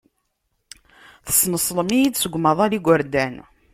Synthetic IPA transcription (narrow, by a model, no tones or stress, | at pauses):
θə̥snəsˤləmijid̪səɡʷməðˤæliɡʷəɾd̪æn